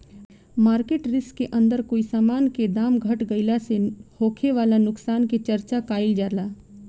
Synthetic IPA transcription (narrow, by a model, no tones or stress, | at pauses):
maːɾkeːʈɾɪskːeʔə̃nd̪əɾkoːisaːmaːnked̪aːmɡʱɐʈɡɐɪlasehoːkʰeʋaːlanʊksaːnket͡ʃɐɾt͡ʃakaːɪld͡ʒaːɾlaː